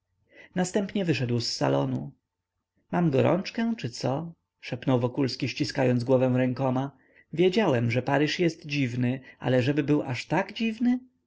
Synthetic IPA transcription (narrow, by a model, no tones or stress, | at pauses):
nast̪ɛmpɲɛvɘʂɛd̪wsːa̰lɔnu | mamɡɔɾɔ̰̃nt͡ʂkɛt͡ʂɘt̪sɔ | ʂɛpnɔwvɔkulskʲiɕt͡ɕiskajɔnd̪zɡwɔvɛw̃ɾɛŋkɔma | vʲjed͡ʑawɛmʐɛpaɾɘʂjɛst̪d͡ʑivnɘʔa̰lɛʐɛbɘbɘwʔaʂt̪aɡd͡ʑivnɘ